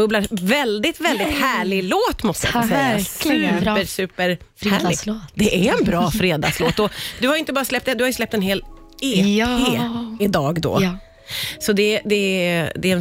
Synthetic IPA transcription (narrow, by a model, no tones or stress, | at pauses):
ɵblaɾvɛld̪ɪt̪vɛld̪ɪt̪hæːɭɪɡloːt̪mɔst̪əja̰sɛjːasʉpːəsʉ̟ːpəɾ | fɾhælɪd̪ɛʔæɾɛnbɾɑːfɾeːd̪a̰sloːt̪ɔd̪ɵhajʏɪnt̪əbɑːɾaslɛp̚t̪ɛd̪ɵhajʉslɛp̚t̪ɛnɦeːl | eːeːɪd̪ɑːɡd̪ɔ̰ | sɔd̪ɛd̪ɛd̪ɛɛn